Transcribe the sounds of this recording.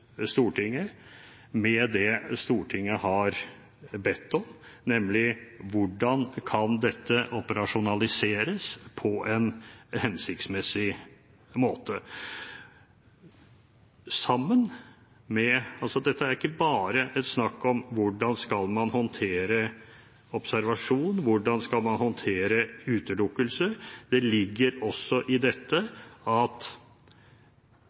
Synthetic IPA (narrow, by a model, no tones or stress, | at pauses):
st̪uːʈʰɪŋːə | mɛd̪ɛst̪uːʈʰɪŋːəhɑɾ | bɛt̪ːɔmnɛmlɪʋʊɖɑnkʰɑnd̪ɛt̪ʰːəʔɔpəɾɑʂʊnɑlɪseːɾəspʰɔʔɛnhɛnsɪkt̪smɛsɪ | moːt̪ʰə | sɑmːən | mɛɑlsɔd̪ɛt̪ːəæɾɪkːəbɑːɾəʔɛt̪snɑkːɔmʋʊɖɑnskɑlmɑnhɔnt̪ʰeːɾə | ɔpsæɾʋɑʂuːnʋʊɖɑnskɑlmɑnhɔnt̪ʰeːɾəʉːt̪əlʊkːəlsəd̪̥ɛlɪɡːəɾɔsːɔʔɪd̪ɛt̪ːəɑt̪